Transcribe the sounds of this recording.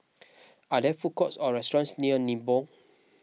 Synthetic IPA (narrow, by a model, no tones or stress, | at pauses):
adɛfukɔtsɔɹɛstɔɹãnsniənĩbɔ